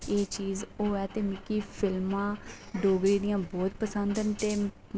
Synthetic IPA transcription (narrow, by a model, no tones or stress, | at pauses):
eːt͡ʃiːzoːɛːt̪eːmɪkiːpʰɪlmãːɖoːɡɾiːd̪ɪjãːbɔːt̪pəsənd̪ənt̪eː